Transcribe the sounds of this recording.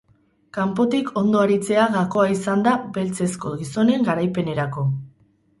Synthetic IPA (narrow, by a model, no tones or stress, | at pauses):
kampo̞t̪ikʰo̞nd̪o̞aɾit͡se̞aɣako̞aisand̪abe̞lt͡se̞sko̞ɣiso̞ne̞ŋɡaɾajpe̞ne̞ɾako̞